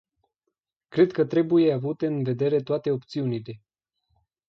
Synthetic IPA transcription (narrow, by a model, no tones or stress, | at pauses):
kɾe̞d̪kət̪ɾe̞buje̞avut̪e̞ɨnve̞d̪e̞ɾe̞t̪oat̪e̞o̞p̚t̪siunile̞